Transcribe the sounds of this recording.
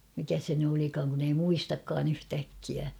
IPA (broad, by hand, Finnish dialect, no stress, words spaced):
mikæ se ny olikɑːŋ kun ei muistɑkːɑːn yhtækːiæ